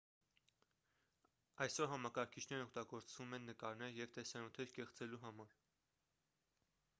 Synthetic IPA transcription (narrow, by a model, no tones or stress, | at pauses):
ɑjsɔɾɦɑmɑkɑɾkʰit͡ʃʰnɛɾɔk̚t̪ɑɡɔɾt͡sʰvumɛnːəkɑɾnɛɾjɛvt̪ɛsɑnjut̪ʰɛɾkɛχt͡sɛluɦɑmɑɾ